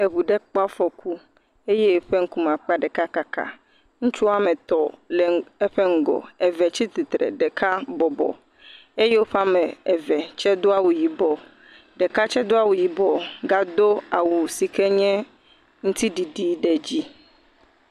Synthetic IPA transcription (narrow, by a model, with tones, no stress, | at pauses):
e˨βu˨ɖɛ˦k͡pa˦fɔ˨kʰu˦ | e˦je˦˨ɸe˦ŋ̩˦ku˦mã˨k͡pa˦ɖɛ˨ka˦ka˦ka̰˨ | ŋũ˦t͡ʃu˦a˦mɛ˨t̪ɔ˨le˨e˦ɸɛ˦ŋ̩˨ɡɔ̰˨ɛ˨vɛ˨t͡ɕi˦t̪i˨t̪ɾɛ̰˨ɖɛ˨ka˦bɔ˨bɔ̰˨ | e˦je˦wo˦ɸa˦mɛ˨ɛ˨vɛ˨t͡ʃɛ˦d̪o˦a˦wu˨ji˨bɔ˨ | ɖɛ˨ka˦t͡ʃɛ˦d̪o˦a˨wu˨ji˨bɔ˨ɡa˦d̪o˦a˨wu˨si˨kɛ˦ɲɛ̃˦ | ŋũ˦t̪i˦ɖi˨ɖi˨ɖɛ˨d͡ʑi˦